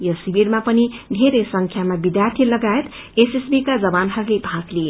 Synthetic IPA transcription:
jʌsibiɾmapʌnid̪ʱeɾesʌŋkʰjamabid̪jart̪ʰilʌɡaet̪ | esesbikad͡zʌbanɦʌɾulebʱakle

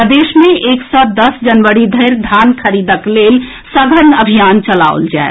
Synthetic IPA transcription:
d̪eʃmẽʔeksɔd̪əsd͡ʒənʋəɾid̪ʱəɪɾd̪ʱankʰəɾid̪əklel | səɡʱənəbʱijant͡ʃəla̰o̰ld͡ʒa̰e

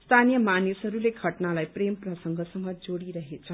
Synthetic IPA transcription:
st̪ʰanijʌmanisɦʌɾuleɡʱʌʈnalajpremprʌsʌŋɡʱʌsʌmːʌd͡zoɽiɾʌɦet͡sʰʌ

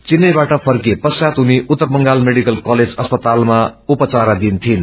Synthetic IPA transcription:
t͡sinːʌjbaʈʌpʰʌrkepʌsjat̪ɦuniʔut̪ːərmʌŋɡalmeɽikʌlkʌled͡zʌspʌt̪almaupʌt͡saɾad̪int̪ʰin

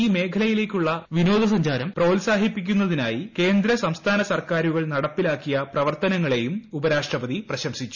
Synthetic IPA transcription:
iːme̞ːkʰɐlɐjile̞ːkʲːuɭːɐʋino̞ːd̪ɐs̬ɐɲd͡ʑaːɾɐmproːlsaːɦipːikʲːunːɐðinaːjike̞ːnd̪ɾɐsɐmst̪ʰaːnɐsɐrkaːɾuɣɐɭnɐɽɐpːilaːkːijɐprɐʋɐrt̪ɐnɐŋːɐɭe̞jumubɐɾaːʂʈrɐbɐðiprɐɕɐmsit͡ɕːu̥

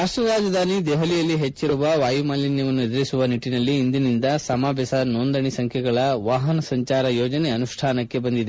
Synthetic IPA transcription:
ɦɐsʋɐɾaːd͡ʒɐd̪ʱaːnid̪eːɦɐlijɐlːiɦet͡ʃːiɾuʋɐʋaːjumaːlinjɐʋɐnːued̪ɐɾisuʋɐniʈːinɐlːiːnd̪inind̪ɐsɐmaːbjɐsɐnoːnd̪ɐɳisɐŋkʰjɛɡɐɭɐʋaːɦɐnɐsɐɲt͡ʃaːɾɐjoːd͡ʒɐneɐnuʂʈʰaːnɐkːe̞bɐnd̪id̪e

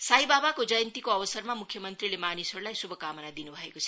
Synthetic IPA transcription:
saɦibabakod͡zʌjənt̪ikoʌbʌsʌrmamukʰjʌmʌnt̪rilemanisɦoɾulajsubʱʌkamənad̪inubʱʌekot͡sʰʌ̥

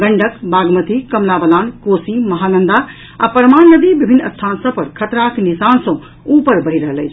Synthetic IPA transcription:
ɡəɳɖəkbaːɡmət̪ikəmlabəlaːnkosimɐɦanənd̪a | a̰pɾəmanːəd̪ibibʱinːəst̪ʰansə̃pəɾkʰət̪ɾaknisansə̃ | upəɾbəɦiɾəɦələjt͡ʃʰ

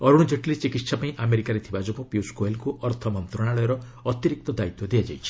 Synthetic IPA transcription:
ɔɾuɽ̃d͡ʒeʈlit͡ʃikit̪ːsapaĩʔameɾikaɾet̪ʰibad͡ʒopɔpjuskoelkuʔɔɾt̪ʰɔmɔnt̪ɾɔɽ̃aɭɔjɔɾɔ | ɔt̪iɾik̚t̪ɔd̪ait̪wɔd̪ijad͡ʒa̰jt͡ʃʰi̥

